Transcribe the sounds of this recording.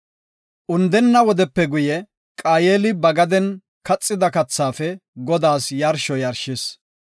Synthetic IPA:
ʔʊnd̪ɛnːɐwɔd̪ɛpːɛɡʊjɛ | kʼaːjeːlɪbɐɡɐd̪ɛn | kɐt͡sʼːɪd̪ɐkɐt͡sːaːfɛɡɔd̪aːsjɐɾʃɔjɐɾʃɪs

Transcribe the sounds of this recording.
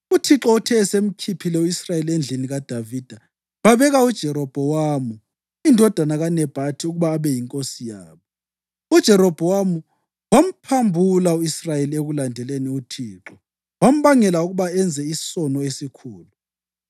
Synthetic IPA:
utʰiǁɔtʰɛːsem̩kʰipʰilɛuisrajeliend͡ɮʱiniɣad̥ʱavid̥ʱa | βaβɛɣaud̥ʒ̥ʱɛɾɔb̥ʱɔwamu | indʱɔd̥ʱanaɣanɛb̥ʱatʰiuɣuβaːβɛjiŋkʼosijaːβɔ | ud̥ʒ̥ʱɛɾɔb̥ʱɔwamu | wam̩pʰambʱulauisrajelieɣulandʱɛleniutʰiːǁɔ | wam̩βaŋɛlauɣuβaɛnd͡zʱɛisɔnɔesikʰuːlu

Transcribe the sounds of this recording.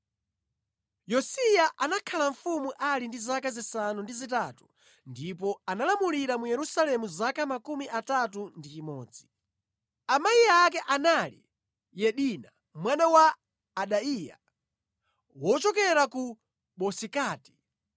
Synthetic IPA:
jɔsijaʔanakʰalaɱfumuʔalindizakazisanundizitatu̥ | ndip̬ɔanalamuliɾamujɛɾusalɛmuzakamakumiʔatatundit͡ʃimɔːd͡zi | amajiak̬ɛʔanalḭ | jɛɗina | mwanawaː | ɗaija̰ | wɔt͡ʃɔkɛɾaku | ɓɔsikaːti̥

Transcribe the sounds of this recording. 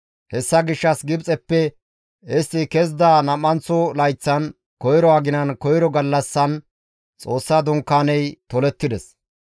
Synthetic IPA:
hɛsːɐɡɪʃːɐsɡɪbt͡sʼɛpːɛ | ɛsɪkɛzd̪aːnɐmːɐnt͡sːɔlɐjt͡sːɐn | kɔjɾɔɐɡɪnɐnkɔjɾɔɡɐlːɐsːɐn | t͡sʼo̞ːsːaːd̪ʊŋkːaːnɛjt̪ɔlɛt̪ːɪd̪ɛs

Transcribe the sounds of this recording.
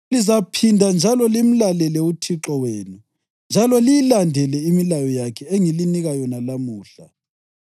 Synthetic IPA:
lizapʰindʱand͡ʒʱalɔlim̩lalɛlɛutʰiǁɔweːnu | nd͡ʒʱalɔlijilandʱɛlɛimilajɔjakʰɛeŋiliniɣajɔnalamuːɬa̰

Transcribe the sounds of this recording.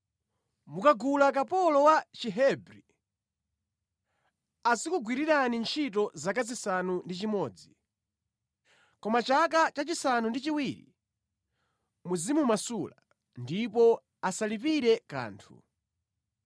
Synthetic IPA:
mukaɡulak̬apɔlɔwat͡ʃiɦɛbɾi | asikuɡwiɾiɾanint͡ʃʰitɔzakazisanundit͡ʃimɔːd͡zi | kɔmat͡ʃakat͡ʃat͡ʃisanundit͡ʃiwiɾḭ | muzimumasula | ndipɔ | asalip̬iɾɛka̰ːntʰṵ

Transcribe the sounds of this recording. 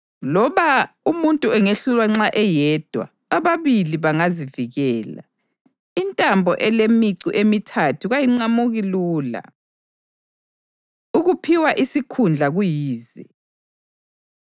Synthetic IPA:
lɔβa | umuntʼuɛŋeɬulwaŋ͡ǁaʔɛjɛːd̥ʱwa̰ | aβaβiliβaŋaziviɣɛːla̰ | intʼambʱɔ̰ʔɛlemiǀiʔemitʰatʰuɣajiŋ͡ǀamuɣiluːla̰ | uɣupʰiwaʔisikʰund͡ɮʱaɣujiːzi

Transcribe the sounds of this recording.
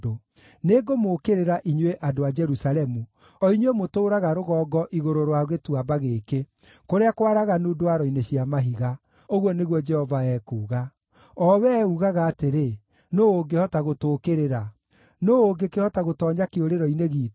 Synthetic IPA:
o | neɡomoːkeɾeɾaʔiɲweʔadoad͡ʒɛɾusaɾɛmu | ɔiɲwemotoːɾaɣaɾoɣɔːɡɔʔiɣoɾoɾwaɣetuabaɣeːke | koɾeakoaɾaɣanoːdoaɾɔineɕiamaɦiɣa | oɣwɔneɣwɔd͡ʒɛhɔvaɛkuːɣa | ɔwɛuɣaɣaːteɾe | noːoɡehɔtaɣotoːkeɾeɾa | noːoɡekehɔtaɣotɔːɲakeoɾeɾɔineɣiː

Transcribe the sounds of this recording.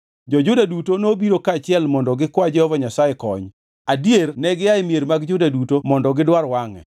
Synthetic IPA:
d͡ʒɔd͡ʒʊdadutonobiɾokaːt͡ʃɪɛlmɔndɔɡɪkwad͡ʒɛhɔvaɲasajɛkɔ̰ɲ | adijernɛɡɪjaɪmjeɾmaɡd͡ʒʊdadutomɔndɔɡɪdwaɾwaŋɛ̰

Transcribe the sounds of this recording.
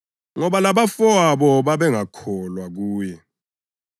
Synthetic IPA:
ŋɔɓalaɓafɔaɓɔɓaɓɛŋakʰɔlwak̬uːjɛ

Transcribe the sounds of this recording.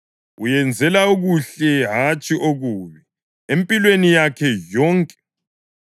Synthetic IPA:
ujɛnd͡zʱɛlauɣuɬɛɦat͡ʃʼiʔoɣuːβi | empʼilwenijakʰɛjɔːŋkʼɛ̥

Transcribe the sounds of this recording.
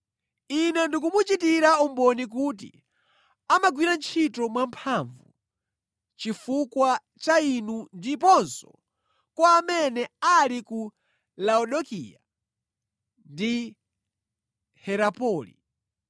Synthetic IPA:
inɛndik̬umut͡ʃitiɾaumbɔnik̬uːt̬ḭ | amaɡwiɾant͡ʃʰitɔmwampʰaɱvṵ | t͡ʃifukwa | t͡ʃainundipɔnsɔ̰ | kwaːmɛnɛaliku | laɔɗɔkḭa | ndi | hɛɾapɔːlḭ

